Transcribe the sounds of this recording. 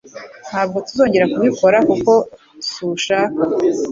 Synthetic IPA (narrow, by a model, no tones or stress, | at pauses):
n̥haːb̚ɡo̞tuzo̞ːɲɟe̞ɾakuβiko̞ɾakuko̞ | tu̥suʃak